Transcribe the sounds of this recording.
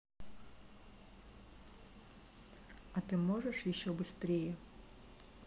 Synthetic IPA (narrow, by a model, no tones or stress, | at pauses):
ɐt̪ɨmɔʐəʂjɪɕːɔbɨst̪ɾʲejɛ